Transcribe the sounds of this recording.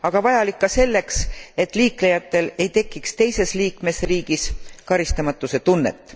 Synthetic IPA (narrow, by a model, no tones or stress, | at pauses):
ɑɡ̥ɑvɑjɑlikːɑse̞lːe̞kse̞t̪ːˑliːkle̞jɑt̪ːˑe̞le̞jt̪e̞kːikst̪e̞jse̞sliːkme̞sriːɡ̥iskɑɾist̪ɑmɑt̪ːˑuse̞t̪unːḛt̪ːˑ